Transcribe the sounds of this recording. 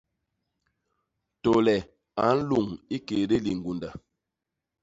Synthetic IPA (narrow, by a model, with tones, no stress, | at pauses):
to˨lɛ˨ | a˨˦n̩˦lu˦˨ŋi˦ke˨de˦li˨ŋ̩˨ɡu˨nda˨